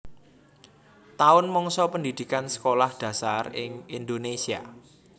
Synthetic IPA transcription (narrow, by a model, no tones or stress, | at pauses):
t̪aʊnmɔŋsɔpəndid̪̥i̤kansə̥kolahd̪̥ä̤sarɪ̰ŋind̪onesia̰